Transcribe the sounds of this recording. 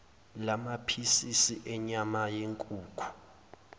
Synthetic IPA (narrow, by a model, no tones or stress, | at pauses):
lamapʰisisiʔɛɲamajeŋkʼuːkʰu̥